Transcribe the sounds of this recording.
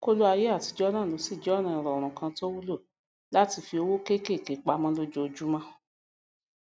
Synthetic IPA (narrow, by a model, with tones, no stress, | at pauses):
ko˦lo˦a˧je˦a˦˨ti˧d͡ʒɔ˦nã˦˨o˨˦si˦˨d͡ʒɔ˦nã˦˨ɾɔ˨ɾ̃ũ˨kã˧to˦wu˦lo˦˨ | la˦ti˧fi˧o˧wo˦ke˦ke˦˨ke˨k͡pa˧˦mã˦lo˦d͡ʒo˧d͡ʒu˦mã˦